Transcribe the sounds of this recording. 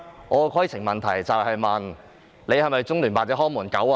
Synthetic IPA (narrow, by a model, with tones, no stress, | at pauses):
ŋɔː˨˧kʰɔː˨˥ji˧˩t͡sʰɪ˨˩ŋmɐ˨˩nt̪ʰɐ˨˩jt͡sɐ˨whɐ˨jmɐ˨n | le˨˧jhɐ˨jmɐ˨jt͡sʊ˥ŋlyː˨˩npaː˨t͡sɛː˧˥hɔː˥muː˨˩nkɐ˨˥w